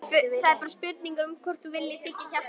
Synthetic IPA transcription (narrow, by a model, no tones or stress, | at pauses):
fʏθaðɛɾpaɾaspjʏɾt̪niŋkʏmkʰɔr̥t̪θuvɪlːɪsɪhcɪça